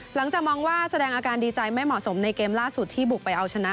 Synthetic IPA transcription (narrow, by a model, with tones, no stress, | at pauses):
la˩˦ŋt͡ɕaː˨˩k̚mɔː˧ŋwaː˥˩sa˧dɛː˧ŋʔaː˧kaː˧ndiː˧t͡ɕa˧jma˥˩jmɔ˨˩so˩˦mna˧jkeː˧mlaː˥˩su˨˩t̪ʰːiː˥˩bu˨˩k̚pa˧jʔa˧wt͡ɕʰa˧na˦˥ʔ